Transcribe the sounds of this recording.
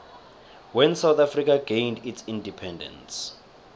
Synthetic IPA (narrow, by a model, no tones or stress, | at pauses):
wɛ̃nsawt̪afrikʰaɡ̥ẽjnditsĩndipʰɛ̃ndɛ̰̃ns